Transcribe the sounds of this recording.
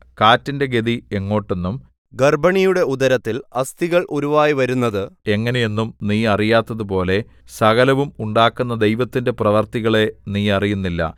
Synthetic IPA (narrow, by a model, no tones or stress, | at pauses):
kaːtːinde̞ɡe̞ðieŋːo̞ːʈːe̞nːum | ɡɐrbɐɳijuɽe̞ud̪ɐɾɐt̪ːilɐst̪iɣɐɭʔoɾuʋaːjiʋɐɾunːɐðɨe̞ŋːɐne̞jenːumniːɐrijaːt̪ːɐðupo̞ːle̞ | sɐɣɐlɐʋumuɳɖaːkːunːɐd̪e̞jʋɐt̪ːinde̞prɐʋɐrt̪iɣɐɭe̞niːɐrijunːilːɐ̰